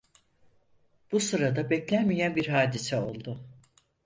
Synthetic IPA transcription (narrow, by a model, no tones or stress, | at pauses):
b̥usɯɾad̪abɛclʲænmijænbiɾɦaːd̪isɛo̞lˠd̪ʊ